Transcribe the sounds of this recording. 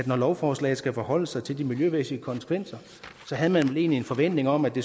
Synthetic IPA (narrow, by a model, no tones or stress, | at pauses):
æd̥nɒlɒʊfɒːslɛ̰ɪð̩sɡ̥æfɒhɒ̽l̰əsɑ̈ɪt͡sʰe̝ld̥imiljøʋesiəkʰɒ̽nsə̥kʰʋen̰sɐ | sɒ̽ɦæð̞ˠmænʋele̝̰ːnlie̝nfɒ̽ʋen̰d̥ne̝ŋɒ̽mæd̥e̝